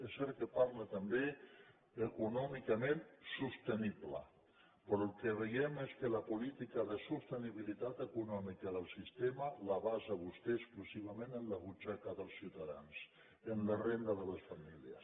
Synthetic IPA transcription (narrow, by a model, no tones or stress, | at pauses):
esɛɾkepaɾlet̪ambe | ekunɔmikamẽnsust̪eniβla̰ | pəɾolkeβejɛmeskəlapulit̪ikaðəsust̪eniβilit̪at̪ekunɔmikaðəlˠsist̪emalaβazaβust̪eːsklusiβamẽnenlaɣut͡ʃakaðəlˠsiwt̪aða̰ns | enlarend̪aðələsfamilja̰s